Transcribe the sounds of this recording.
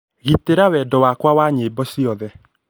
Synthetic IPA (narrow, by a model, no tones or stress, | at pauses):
ɣiteɾawɛdɔwakwawaːɲebɔsiɔðɛ